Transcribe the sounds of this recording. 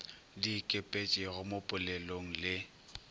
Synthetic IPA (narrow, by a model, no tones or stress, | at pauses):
dikʼepʼet͡ʃʼɪɣʊmopʼʊlɛloŋ̩lɪ